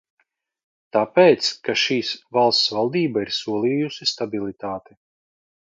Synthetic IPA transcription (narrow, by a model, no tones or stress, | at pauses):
t̪apeːt̪skaʃiːsvalˠst̪svalˠd̪iːbaiɾsuɔlˠiːjusist̪abilˠit̪aːt̪i